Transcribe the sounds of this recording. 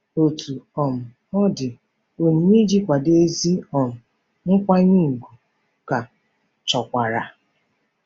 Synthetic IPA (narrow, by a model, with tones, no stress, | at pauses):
o˨tu˨ɔ˨m̩˨ | ɔ˦dɪ˨ | o˨ɲ̩˨mi˦d͡ʒi˦kʷa˨de˦zi˦ɔ˨m̩˨ | ŋ̩˦kʷa˦ɲi˦˨ɡu˨ | ka˨ | t͡ʃɔ˨kʷa˨ɾa˨